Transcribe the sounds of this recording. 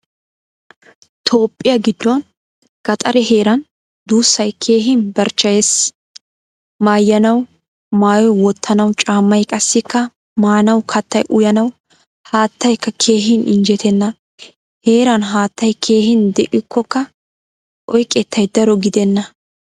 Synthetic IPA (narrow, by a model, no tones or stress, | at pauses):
t̪ʰo̞ːpʼːɪjɐɡɪd̪ːɔn | ɡ̥ɐt̪ʼɐɾɛheːɾɐn | d̪uːsːɐjkʰe̞ːɦɪnbɐɾt͡ʃːɐjɛs | maːjːɐnɐw | maːjɔjwɔt̪ʰːɐnɐwt͡ʃʼaːmːɐjkʼɐsːɪkːɐ | maːnɐwkʰɐt̪ːɐjʔʊjɐnɐw | haːt̪ːɐjkːɐkʰe̞ːɦɪnɪnd͡ʒɛt̪ɛnːɐ | he̞ːɾɐnɦaːt̪ːɐjkʰe̞ːɦɪnd̪ɛʔɪkːɔkːɐ | ʔɔjkʼːɛt̪ʰːɐjd̪ɐɾɔɡɪd̪ɛnːɐ